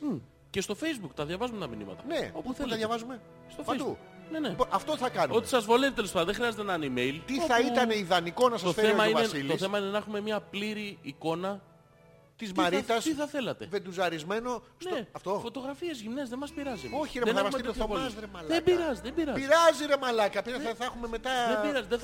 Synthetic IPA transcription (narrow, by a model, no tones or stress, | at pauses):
ce̞st̪o̞fe̞jzbukt̪ɐðʝɐvɐzumet̪ɐminḭmɐ̰t̪ɐneopuθet̪ɐðjɐvɐzume | st̪ofejzuuk | ne̞neɐft̪oθɐkɐnot̪isɐzvo̞le̞vit̪elespɐd̪ɐðexɾiɐzet̪enɐanimejlt̪ioθɐit̪ɐneiðɐnikonɐsɐofeemɐinesilt̪oθe̞mɐinenɐexume̞mɲɐpliɾiːko̞nɐ | t̪izmmɐɾit̪ɐst̪iθɐθe̞lɐt̪e̞̰ved̪uzɐɾizme̞no̞sneɐft̪ofo̞t̪o̞ɣɾɐfiezʝimne̞zðemɐspiɾɐzioçiɾemenɐmɐusmeiovolzɾemɐlebiɾɐzðebiɾɐziɾɐziɾemɐlɐkɐpizɐθɐxumemet̪ɐðebiɾɐzðe